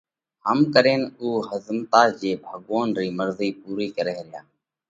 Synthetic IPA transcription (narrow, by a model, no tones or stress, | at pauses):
həmkəɾeːnuːhəzmt̪aːd͡ʒeːbʱəːɠoːnɾiːməɾziːpuːɾiːkəɾeːɾɪjaː